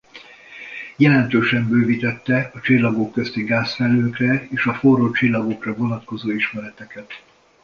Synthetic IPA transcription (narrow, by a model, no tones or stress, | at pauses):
jɛlɛnt̪øːʃɛmbøːvit̪ɛt̪ːɛɒt͡ʃilːɒɡokːøst̪iɡaːsfɛlːøːkrɛeːʃɒforot͡ʃilːɒɡo̞krɒvo̞nɒt̪ko̞zoːiʃmɛɾɛt̪ɛkɛt̪